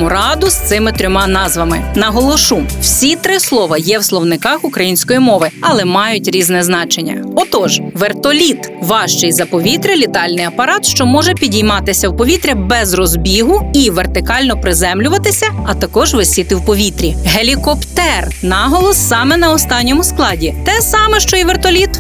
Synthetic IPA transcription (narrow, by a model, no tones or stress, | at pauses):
ʊɾɑd̪ʊst̪ɪmɪt̪ɾʲɔmɑnɑzʋɐmɪnɐɦɔlˠɔʃumwsʲit̪ɾɪslˠɔʋɐjɛwslˠɔwnɪkɑxʊkɾɐjinʲsʲkɔjimɔʋɪɐlˠɛmɑjʊtʲɾʲiznɛznɑt͡ʃenʲːɐ̰ɔt̪ɔʒʋert̪ɔlʲit̪ʋɑʃt͡ʃɪjzɐpɔʋʲit̪ɾʲɐlʲit̪ɑlʲnɪjɐpɐɾɑt̪ʃt͡ʃɔmɔʒɛpʲidʲijmɑt̪ɪsʲɐwpɔʋʲit̪ɾʲɐbɛzrɔzbʲiɦʊiʋert̪ɪkɑlʲnɔpɾɪzɛmlʲʊʋɐt̪ɪsʲɐɐt̪ɐkɔʒʋɪsʲit̪ɪwpɔʋʲit̪ɾʲiɦelʲikɔpt̪ɛr | nɑɦɔlˠɔsːɑmɛnɐɔst̪ɑnʲːɔmʊsklˠɑdʲit̪ɛsɑmɛʃt͡ʃɔjiʋert̪ɔlʲit̪